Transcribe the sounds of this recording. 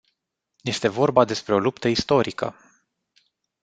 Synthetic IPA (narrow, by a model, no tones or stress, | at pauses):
je̞st̪e̞vo̞rbad̪e̞spɾe̞o̞lupt̪əist̪o̞ɾikə̰